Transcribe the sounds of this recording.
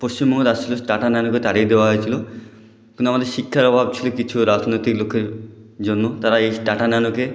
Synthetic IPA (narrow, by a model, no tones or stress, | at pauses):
post͡ɕimbʱɔŋɔt̪ast͡ʃʰilosʈaʈananoket̪aɽiɾd̪ewaɦojt͡ʃʰilo | kũnt̪amad̪eɾʃikʰːjaɾɔbʱab̚t͡ʃʰilokit͡ʃʰuɾad͡ʒnojt̪iklokʰeɾ | d͡ʒonːot̪aɾaejsʈaʈananoke